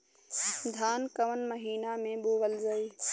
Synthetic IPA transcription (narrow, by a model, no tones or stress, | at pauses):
d̪ʱaːnkəʋənməɦiːnamẽɓoːʋəlzəiː